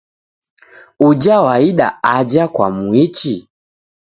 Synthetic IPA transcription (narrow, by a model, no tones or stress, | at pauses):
ud͡ʒawaiɗa̰ad͡ʒakwa̰muit͡ʃi